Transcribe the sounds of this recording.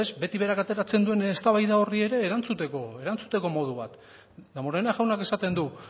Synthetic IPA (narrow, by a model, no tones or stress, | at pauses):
ezbe̞t̪iβe̞ɾakat̪e̞ɾat͡se̞nd̪ue̞nest̪aβajðao̞rie̞ɾe̞ːɾant͡sut̪e̞koe̞ɾant͡su̥t̪e̞ko̞mo̞ð̞uβ̞a̰t̪ | d̪amoɾenaʝawnake̞sat̪e̞nd̪u